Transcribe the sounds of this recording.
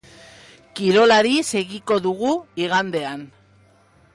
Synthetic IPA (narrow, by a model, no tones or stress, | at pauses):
kiɾo̞laɾise̞ɣiko̞ðuɣuiɣ̞and̪e̞an